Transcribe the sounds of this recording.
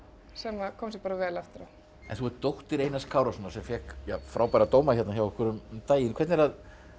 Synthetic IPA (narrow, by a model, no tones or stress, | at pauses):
sɛːmakʰɔmsɛpaːɾavɛːlɛft̪ɪɾa | ɛ̰nθuɛɾt̪owht̪ɪɾejnaskʰaːwɾasɔnːasɛmfɛhkjafɾawpajɾat̪oːwmaçɛt̪naçawvɛhkʰvɛɾʏmt̪aːjɪnkʰvɛɾt̪nɛɾað